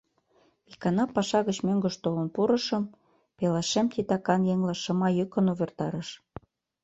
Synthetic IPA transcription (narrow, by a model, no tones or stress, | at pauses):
ikɑnɑpɑʃɑɣət͡ɕmøŋɡə̆ʃt̪olə̆npuɾə̆ʃə̆m | pelɑʃemt̪it̪ɑkɑnjeŋlɑʃɤ̆mɑjykə̆noβert̪ɑɾəʃ